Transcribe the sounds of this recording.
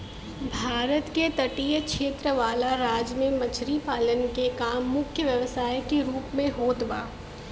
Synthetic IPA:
bʱaːɾət̪ket̪ɐʈijəkʃeːt̪ɾəʋaːlaɾaːd͡ʒmẽmɐt͡ʃʰɾipaːlənkekaːmːʊkʰjəʋjɐʋsaːjkeɾuːpmẽɦoːt̪ba̰ː

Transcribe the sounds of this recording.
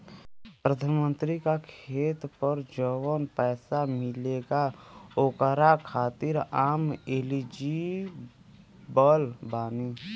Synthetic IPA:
pɾəd̪ʱaːnmə̃nt̪ɾikakʰeːt̪pəɾd͡ʒəwənpɛːsamɪleɡaoːkəɾakʰaːt̪ɪɾaːmeːlid͡ʒi | bəlbaːni

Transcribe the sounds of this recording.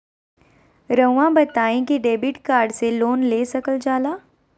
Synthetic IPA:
ɾə̃ːãbɐt̪aːẽkiɖeːbɪʈkaːɾɖseloːnleːsɐkəld͡ʒaːlaː

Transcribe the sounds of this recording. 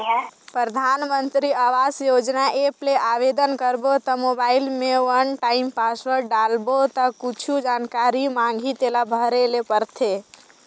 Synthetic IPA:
pɾəd̪ʱanmənt̪ɾiaʋasjod͡ʒnaʔepleʔaʋed̪ənkəɾbot̪ɔmobailmeʋənʈaimpasʋəɾɖalbot̪ɔkut͡ʃʰud͡ʒankaɾimãŋɡʱit̪elabʱəɾelepəɾt̪ʰe

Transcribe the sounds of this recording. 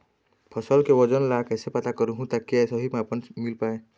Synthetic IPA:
pʰɔsəlkewɔd͡ʒənlakɛːsepət̪akɔɾuɦũt̪akiɛsəɦimeapənmilpaːe

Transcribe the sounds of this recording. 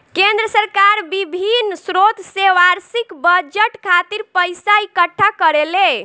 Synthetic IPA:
kẽnd̪ɾəsəɾkaɾbibʱinsɾot̪seʋaɾsikbəd͡ʒəʈkʰat̪iɾpəjsaikəʈʰːakəɾele

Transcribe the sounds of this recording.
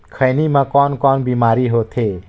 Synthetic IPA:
kʰəjnimãkɔːnkɔːnbimaːɾiɦot̪ʰe

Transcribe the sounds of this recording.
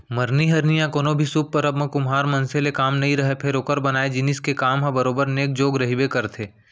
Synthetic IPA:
mɐɾniɦɐɾnijãkoːnobʱisup̚pɐɾɐbmẽkʊmɦaːɾmɐ̃nselekaːmnɐɦĩɾɐɦepʰeɾoːkəɾbɐnaːed͡ʒɪnɪskekaːmɦɐ̃bɐɾoːbəɾneːk̚d͡ʒoːɡɾɐɦibekɐɾt̪ʰeː

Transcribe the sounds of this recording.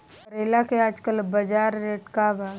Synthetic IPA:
pəɾeːlakeaːd͡ʒkəlbɐd͡ʒaːɾːeːʈkaba

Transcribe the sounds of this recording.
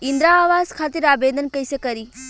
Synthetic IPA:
ind̪ɾaːʋaːzkʰaːt̪iɾaːbed̪ʱənkəjsekəɾi

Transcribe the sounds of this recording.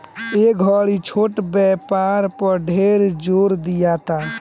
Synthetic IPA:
eɡʱɔɭit͡ʃʰoʈbɛpaɾpəɖʱeɾd͡ʒoɾd̪ijat̪a

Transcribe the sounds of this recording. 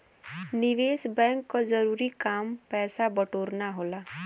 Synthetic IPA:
niʋesbɛ̃ŋkːɔd͡zəɾuɾikampɛːsabəʈoːɾnaɦola

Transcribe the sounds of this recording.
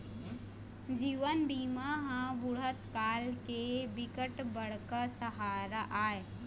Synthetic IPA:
d͡ʒiːʋənbiːmaɦə̃bʊɽ̤ət̪kaːlkebɪkəʈbəɽ̤kəsəɦaːɾaʔaːe

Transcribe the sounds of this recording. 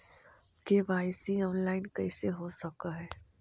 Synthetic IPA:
keʋaːɪsiɔːnlaːɪnkɐɪseɦosɐkaɦɛː

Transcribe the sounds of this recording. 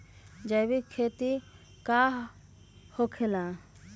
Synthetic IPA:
d͡ʒəjbikʰːeːt̪i | kaː | hokʰelãː

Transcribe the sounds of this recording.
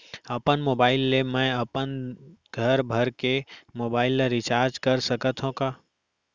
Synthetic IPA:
ɐpənmoːbaːɪlːemɛ̃əpənɡʱəɾbʱəɾkemoːbaːɪlːeɾɪt͡ʃaːɾd͡ʒkəɾsəkət̪ɦõkaː

